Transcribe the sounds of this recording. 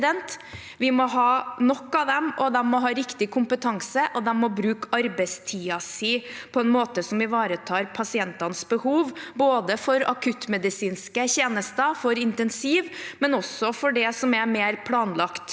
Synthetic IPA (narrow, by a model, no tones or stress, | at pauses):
d̪ɛnt̪ | ʋɪmɔɦɑːnɔkːɑʋd̪ɛmʔɔd̪ɛmːɔɦɑːɾɪkt̪ɪkʰʊmpət̪ʰɑŋsəʔɔd̪ɛmːɔbɾʉːkɑɾbɛɪst̪ʰiːɑsiːpʰɔɛnmoːt̪əsɔmʋɪʋɑːɾət̪ʰɑːɾpʰɑsɪɛnt̪ɑnəsbəhuːʋboːd̪əfɔɾɑ̰kʰʉt̪ːmɛd̪ɪsiːnskəçeːnəst̪əfɔɾɪnt̪ɛnsiːʋmɛnɔsɔfɔɖɛsɔmæmeːɾpʰlɑːnlɑkt̪